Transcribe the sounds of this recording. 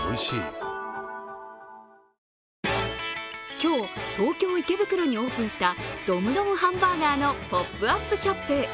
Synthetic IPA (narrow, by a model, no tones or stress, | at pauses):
ɯiɕḭ | kʲo̞ːt̪ʰoːkʲo̞ːike̞bɯ̟kɯ̟ɾo̞ɲ̟ioːpɯ̃ɰ̃ɕi̥t̪ad̪̥omɯ̟d̪omɯhãmbaɡ̪aːno̞popːɯ̟apːɯ̟ɕapːɯ